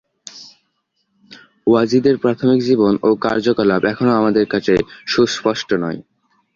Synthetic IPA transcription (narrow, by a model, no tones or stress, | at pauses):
wad͡ʑid̪eɾpɾat̪ʰomikd͡ʑibonokaɾd͡ʑokolabɛkʰonoamad̪eɾkat͡ɕʰeʃuspɔʃʈonɔe